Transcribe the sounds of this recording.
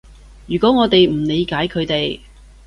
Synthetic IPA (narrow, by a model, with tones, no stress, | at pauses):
jyː˨˩kɔː˨˥ŋɔː˨˧t̪e˨jm̩˨˩le˨˧jkaː˨˥jkʰɵ˨˧ɥt̪e˨j